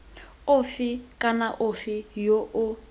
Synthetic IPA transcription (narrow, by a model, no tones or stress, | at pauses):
ʊfɪkʼanaʔʊfɪjoʔʊ